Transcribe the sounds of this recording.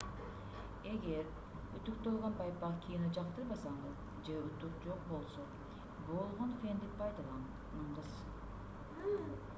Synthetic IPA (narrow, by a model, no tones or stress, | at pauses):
e̞ɡe̞ɾ | yt̪yk̚t̪olˠʁɑnbɑjpːɑkʲʰijined͡ʒɑq̚t̪ɯɾbɑsɑɴɯz | d͡ʒeyt̪yk̚d͡ʒo̞q̚bo̞lˠso̞ | bo̞lˠʁonfʲend̪eppʰːɑjd̪ɑlˠɑ | ɑɴʁɯz̥